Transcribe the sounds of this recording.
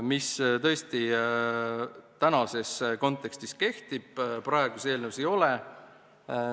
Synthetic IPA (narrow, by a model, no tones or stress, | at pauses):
mist̪ɤ̞est̪i | t̪ænɑse̞sko̞nt̪ːˑe̞kst̪iske̞ht̪ib̥̚prɑe̞ɡ̥use̞ːlnewusejo̞le